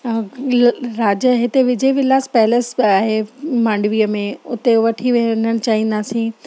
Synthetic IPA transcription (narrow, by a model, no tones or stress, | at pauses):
ɾaːd͡ʑəɦɪt̪eʋɪd͡ʑəiʋɪlaːspɛɦɪləsbaːɦemãːɳɖʋiːəmẽʊt̪eʋɐʈʰiʋẽːnəɽ̃t͡ɕaːɦĩːnd̪aːsĩː